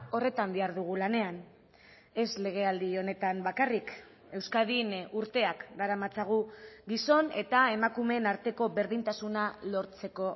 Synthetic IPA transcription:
o̞re̞t̪amb̪iaɾðuɣulane̞an | e̞sle̞ɣ̞e̞ald̪io̞ne̞t̪ambakarik | e̞wskaðinuɾt̪e̞akɡaɾamat͡saɣ̞uɡiso̞ne̞t̪ae̞makume̞naɾt̪e̞ko̞βe̞ɾðint̪asunalo̞ɾt͡se̞ko̞

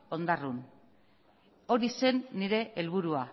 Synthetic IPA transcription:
o̞nd̪arun | o̞ɾise̞nːiɾe̞ʔelβ̞uɾua

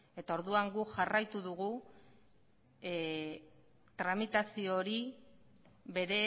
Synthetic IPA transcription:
e̞t̪ao̞ɾðuaŋɡuʝarajt̪uðuɣu | t̪ɾamit̪asio̞ɾi | βe̞ɾe̞

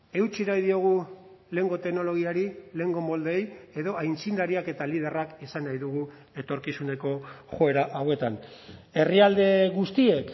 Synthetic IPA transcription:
e̞wt͡siɾajðio̞ɣ̞u | le̞ŋɡo̞t̪e̞kno̞lo̞ɣiaɾile̞ːŋɡo̞mo̞ld̪eeje̞ðo̞ajnt͡sind̪aɾiake̞t̪alið̞e̞rakisanajðuɣu | e̞t̪o̞ɾkisune̞ko̞ʝo̞e̞ɾaʔawe̞t̪ane̞riald̪e̞ɣust̪ie̞k

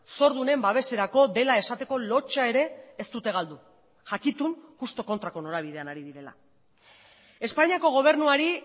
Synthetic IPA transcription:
so̞ɾðune̞mbaβ̞e̞se̞ɾako̞ðe̞lae̞sat̪e̞ko̞lo̞t͡ʃae̞ɾe̞ːst̪ut̪e̞ɣ̞ald̪u | ʝakit̪unxust̪o̞ko̞nt̪ɾako̞no̞ɾaβið̞e̞anaɾiðiɾe̞la̰ | e̞spaɲiako̞ɣ̞o̞β̞e̞ɾnuaɾi

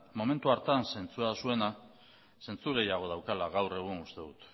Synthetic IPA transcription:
mo̞me̞nt̪uaɾt̪anse̞nt͡suasue̞na | se̞nt͡suɣe̞jaɣ̞o̞ð̞awkalaɣawre̞ɣ̞uŋɡust̪e̞ðut̪

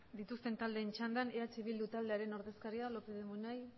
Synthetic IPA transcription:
d̪it̪ust̪e̞nt̪ald̪e̞ːnt͡ʃand̪aneat͡siβ̞ild̪ut̪ald̪e̞aɾe̞no̞ɾðe̞skaɾialokeðumunaj

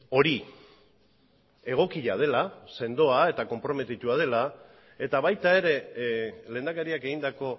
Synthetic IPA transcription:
o̞ɾi | e̞ɣ̞o̞kiʎað̞e̞lase̞nd̪o̞ae̞t̪ako̞mpɾo̞me̞t̪it̪uað̞e̞la | e̞t̪aβajt̪ae̞ɾe̞ | le̞ːnd̪akaɾiake̞ɣind̪ako̞

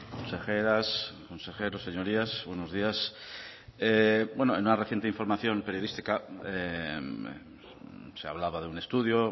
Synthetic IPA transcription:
konsexeɾasko̞nsexeɾoseɲo̞ɾiasβwenozðias | ebwenoenunare̞θjent̪eiɱfo̞ɾmaθjo̞mpeɾjoist̪ikae | sea̰β̞laβað̞eune̞st̪uðjo

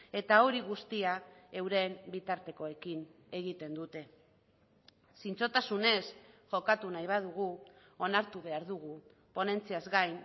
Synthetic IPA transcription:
e̞t̪ao̞ɾiɣ̞ust̪iae̞wɾe̞mbit̪aɾt̪e̞ko̞e̞kin | e̞ɣ̞it̪e̞nd̪ut̪e̞ | sint͡so̞t̪asune̞sʝo̞kat̪unajβ̞að̞uɣ̞u | o̞naɾt̪uβe̞aɾðuɣ̞u | po̞ne̞nt͡siazɡajn

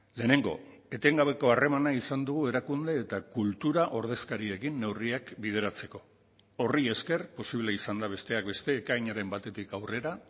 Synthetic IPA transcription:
le̞ːne̞ŋɡo̞̰ | e̞t̪e̞ŋɡaβe̞ko̞are̞manaisand̪uɣue̞ɾakund̪e̞ːt̪akult̪uɾaʔo̞ɾð̞e̞skaɾie̞kinːe̞wriakbið̞e̞ɾat͡se̞ko̞̥ | o̞rie̞ske̞rpo̞siβleisand̪aβ̞e̞st̪e̞ak̚be̞st̪e̞ːkajɲaɾe̞mbat̪e̞t̪ikawre̞ɾa

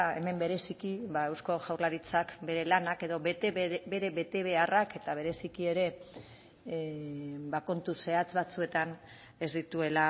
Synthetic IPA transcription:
e̞̰me̞mbe̞ɾe̞sikiβae̞wsko̞ʝawɾlaɾit͡sakbe̞ɾe̞lanake̞ðo̞be̞ɾe̞βe̞t̪e̞βe̞arake̞t̪aβ̞e̞ɾe̞sikie̞ɾe̞ | bako̞nt̪use̞at͡sβat͡sue̞t̪an | e̞zd̪it̪ue̞la

